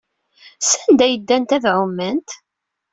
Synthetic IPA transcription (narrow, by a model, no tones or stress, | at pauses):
sænd̪æjəd̪ːænt̪æðʕʊmːənt̪